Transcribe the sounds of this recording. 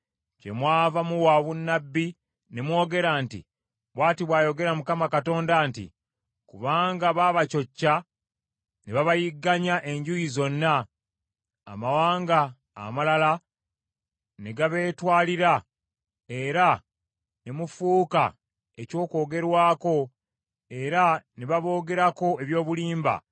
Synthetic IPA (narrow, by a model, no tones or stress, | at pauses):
ce̞̰mwaːvamuwaβunːabːi | nemwo̞ːɡe̞ɾaːntḭ | βwaːtiβwaːjo̞ɡe̞ɾamukamakato̞ːndantḭ | kuβaːŋɡaβaːβaco̞cːa | neβaβajiɡːaɲaʔe̞ɲɟujizo̞nːa | mawaːŋɡa̰ː | malala | neɡaβe̞ːtwaːliɾa | e̞ɾa | nemufuːka̰ | eco̞ːko̞ːɡe̞ɾwaːko̞ | e̞ɾaneβaβo̞ːɡe̞ɾako̞e̞βjo̞ːβuliːmba̰